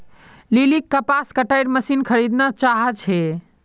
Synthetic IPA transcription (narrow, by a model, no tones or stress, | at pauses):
lilikːəpaskəʈaɪɾməsinkʰəɾid̪nat͡ʃaɦət͡ʃʰɛ